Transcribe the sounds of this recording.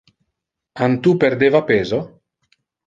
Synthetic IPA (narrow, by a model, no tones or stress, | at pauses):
ant̪upeɾd̪eːvapeːzo